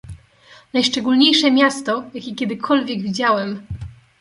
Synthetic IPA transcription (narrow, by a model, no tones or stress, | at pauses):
najʂt͡ʂɛɡulɲejʂɛmʲjast̪ɔjakʲekʲɛd̪ɘkʰɔlvʲjɛɡvʲid͡ʑawɛm